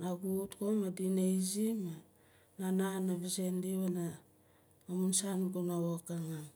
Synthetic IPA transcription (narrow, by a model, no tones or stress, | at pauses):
naɡutkomadineizima | nananaβisendiβana | mamunsanɡonaβokaŋam